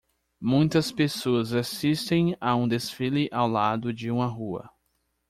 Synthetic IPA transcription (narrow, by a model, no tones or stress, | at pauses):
mũj̃t̪ɐspesoɐzasist̪ẽj̃aũd̪esfilɪʔawlad̪ʊd͡ʒɪũmɐɦuɐ̰